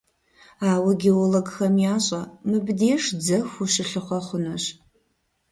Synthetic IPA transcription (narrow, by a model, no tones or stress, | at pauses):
aːwɐɡʲeoloɡxɐmjaːɕʼɐmɨbdeːʂd͡zɐxʷuʂɨɬɨχʷɐχʷʊnɐɕ